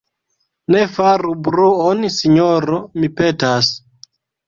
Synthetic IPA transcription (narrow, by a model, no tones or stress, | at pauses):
ne̞faɾubɾuonsiɲoɾomipe̞tas